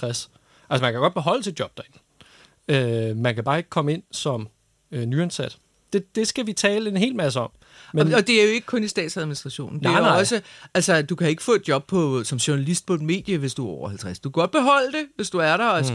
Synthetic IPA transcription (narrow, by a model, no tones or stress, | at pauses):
ʁas | ʔælsəmænkʰæɡ̥ɒ̥b̥e̝ɦɒ̽l̰əsid̥̚jɒ̽b̥̚d̥ɑe̝n̩ | ømænkʰæb̥ɑ̈ːe̝ɡ̥ə̥kʰɒ̽məe̝n̰sɒ̽m | ønyensæd̥ | d̥e̝d̥e̝sɡ̥æʋit͡sʰɛ̰ːləe̝nɦe̝̰ːlmæs̬əɒ̽m̰ | menɒd̥e̝æɐjoe̝ɡə̥kʰɔ̽nisd̥ɛ̰ːd̥sæð̞ˠminisd̥ʁɑɕo̝̰ːn̩de̝ɒ̽səælsəd̥ukʰæe̝ɡ̥ə̥fɔ̰̽ːe̝d̥̚djɒ̽b̥̚pʰɒ̽sɒ̽mɕuɐnælisd̥̚pʰɒ̽e̝d̥me̝̰ːd̥jəʋe̝sd̥uæɒʊɐhælt͡sʰʁasd̥ukʰæɡ̥ɒ̽d̥̚b̥e̝ɦɒ̽l̰əd̥e̝ʋe̝sd̥uæɐɾɐ